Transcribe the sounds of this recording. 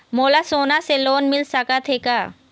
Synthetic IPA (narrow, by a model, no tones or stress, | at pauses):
molasonaselonmilsakat̪ʰeka